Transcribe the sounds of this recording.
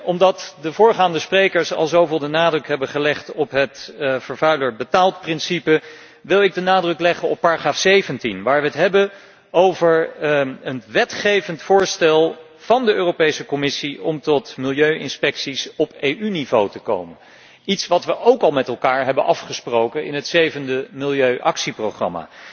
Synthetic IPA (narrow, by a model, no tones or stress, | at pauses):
ʔɔmdɑtdəvʊːɹχaːndəsprejkəɹsɑ̰lˠzowvɪːlˠdənaːdrɵkɦɛbəχəlɛχtɔpɦətfəɹvœɥləɹbətaːlˠt̚prɪnsipə | ʋɪlˠɪɡ̚dənaːdrɵklɛχəɔpːaːraχraːfsejvəntinʋaːɹʋəɦətɦɛbən | owvəɹənʋɛtχejvəntfʊːɹstɛlˠ | v̥ɑndəʔøːrowpejsəkɔmɪsiɔmtɔtmɪlˠjøɥɪnspɛksisɔpejʔynivowtəko̰wmən | itsʋɑtʋəʔowkɑlˠmɛtɛlˠkaːɹɦɛbənʔɑfχəsprowkənɪ̰nɦətsejvəndəmɪlˠjøɥʔɑksiprowχrɑ̰ma̰ː